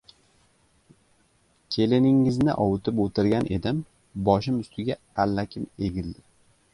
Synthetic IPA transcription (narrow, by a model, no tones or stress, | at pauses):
kʲʰe̞lɪnɪŋːɪznɪ̰ʔɒwt̪ʰɪpot̪ʰɪɾɡʲanʔe̞̰d̪ɪm | bɒʃɪmʊst̪ʰɪɡʲa | alːakʲʰɪme̞ɡʲɪld̪ɪ